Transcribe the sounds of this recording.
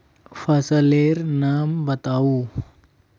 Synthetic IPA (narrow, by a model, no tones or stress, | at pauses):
fasəleɾnambat̪awu